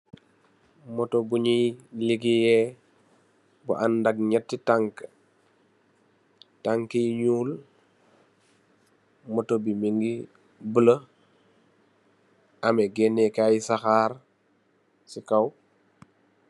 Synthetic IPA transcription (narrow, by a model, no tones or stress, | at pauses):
mɔtobuɲiliɡijɛ | bṵʔanːdak̚ɲɛtːitaŋk | taŋkijɲuːl | mɔtobimiŋɡi | bələ | ameɡenekajisaxaːɾ | sikaw